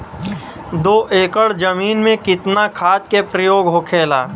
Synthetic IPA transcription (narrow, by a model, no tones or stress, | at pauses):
d̪oːʔeːkəɽd͡ʒəmiːnmẽkɪt̪nakʰaːd͡ʒkepɾəjoːɡɦokʰeːla̰ː